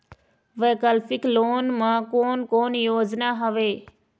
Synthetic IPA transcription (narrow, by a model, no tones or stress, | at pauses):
ʋeːkəlfɪkloːnmãːkoːnkoːnjoːd͡ʒnaːɦəʋeː